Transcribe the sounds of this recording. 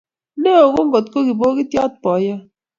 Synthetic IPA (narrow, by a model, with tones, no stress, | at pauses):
ne˦o˨ɣo˦ŋ˦ɡo˨tko˦ɣi˨bo˦ki˦tjɔ˦t̚pɔ˨˦jə˦